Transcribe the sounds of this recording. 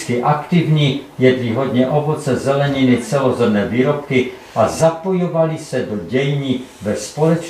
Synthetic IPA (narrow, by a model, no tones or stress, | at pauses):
kɪʔakt̪ɪvɲiːjɛdviɦo̞dɲɛʔo̞vo̞t͡sɛzɛlɛɲɪnɪt͡sɛlo̞zɛmnɛːviːɾo̞p̚kɪ | ʔazapo̞jovalɪsɛdo̞ɟɛjɲivɛspolɛt͡ʃ